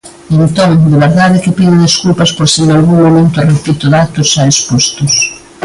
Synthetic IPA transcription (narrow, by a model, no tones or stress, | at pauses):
ent̪oŋd̪ɪβeɾðaðɪkɪpiðɪðeskulpaspoɾseŋalɣuŋmomẽnt̪ʊarepit̪ʊðat̪ʊsaespost̪ʊs